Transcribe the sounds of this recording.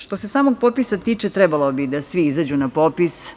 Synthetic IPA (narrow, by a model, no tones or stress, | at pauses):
ʂt̪o̞se̞saːmoɡ̚popisat̪iːt͡ʂet̪ɾɛbalo̞bid̪asʋiizad͡ʑunapopis